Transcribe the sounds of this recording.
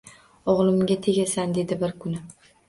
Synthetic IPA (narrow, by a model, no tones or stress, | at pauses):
ɒʁlˠɪmɡʲat̪ʰe̞ɡʲasand̪e̞d̪ɪbɪɾkʰʊnɪ